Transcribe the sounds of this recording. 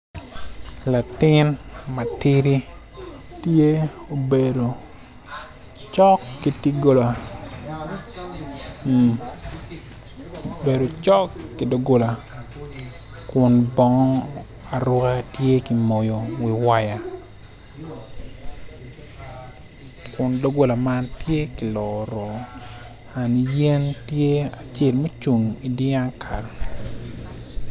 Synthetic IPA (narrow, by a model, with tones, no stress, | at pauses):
la˨tɪ˦n | ma˨ti˦ɾi˦ | tje˦ | o˨be˨do˨ | t͡ʃɔ˦kːi˨ti˦ɡo˨la˨ | be˨ɾo˨t͡ʃɔ˦kːi˨do˨ɡo˦la˨ | kʊ˨nbɔ˦ŋɔ˦ | a˨ɾʊ˦ka˦tje˦ki˨mo˨jo˨wi˨wa˦ja˨ | kʊ˨ndo˦ɡo˦la˨ma˦ntje˦ki˨lɔ˨ɾɔ˨ | a˨ni˨je˦ntje˦a˨t͡ʃe˦˨lmo˦t͡ʃu˨ŋi˨di˦a˦nkʰa˨ɾ